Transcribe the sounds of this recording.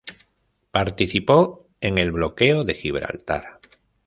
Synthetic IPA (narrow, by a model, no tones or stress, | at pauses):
paɾt̪iθipo | eŋe̞lβlo̞keoðe̞xiβ̞ɾa̰lt̪a̰ɾ